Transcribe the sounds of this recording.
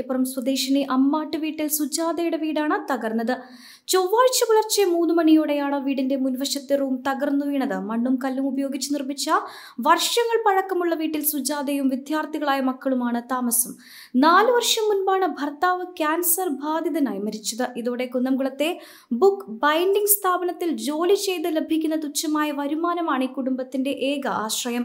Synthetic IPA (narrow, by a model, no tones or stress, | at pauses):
epːorɐmswɐd̪eːʂɐniʔɐmːaːʈːɨʋiːʈːilsud͡ʑaːd̪ɐjuɽeʋiːɽaːɳɨt̪ɐɣɐrnːɐðɨ | t͡ɕoʋːaːɻt͡ɕːɐkuɭɐrt͡ɕːɐmuːnːɨmɐɳijoːɽejaːɳɐʋiːɽinde̞munʋɐʂɐt̪ːeruːmt̪ɐɣɐrnːuʋiːɳɐðɨmɐɳːumkɐlːumubɐjo̞ːɡit͡ɕːunirmit͡ɕːɐ | ʋɐrʂɐŋːɐɭpɐɻɐkːɐmuɭːɐʋiːʈːilsud͡ʑaːd̪ɐjumʋid̪ʱjaːrt̪iɣɐɭaːjɐmɐkːɐɭumaːɳɨt̪aːmɐsɐm | naːlɨʋɐrʂɐmːunbaːɳɨbʱɐrt̪aːʋɨkʲaːnsɐrbʱaːd̪iðɐnaːjmɐɾit͡ɕːɐðɨʔiðoːɽe̞kunːɐmɡuɭɐt̪ːe̞ | bukːbɐjndiŋɡst̪ʰaːbɐnɐt̪ːild͡ʑo̞ːlit͡ɕe̞jt̪ɨlebʱikʲːunːɐt̪ut͡ɕːɐmaːjɐʋɐɾumaːnɐmaːɳiːkuɽumbɐt̪ːinde̞ʔeːɡɐʔaːɕrɐjɐm